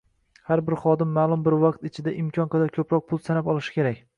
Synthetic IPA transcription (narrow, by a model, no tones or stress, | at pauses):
haɾbɪɾχɒd̪ɪmːaːlˠʊmbɪɾvɑq̚t̪ɪt͡ʃʰɪd̪aʔɪmkʲʰɒnqʰɑd̪aɾkʲʰɵpɾɒq̚pʰʊlˠsanapɒlˠɪʃɪ̥kʲʰe̞ɾakʲ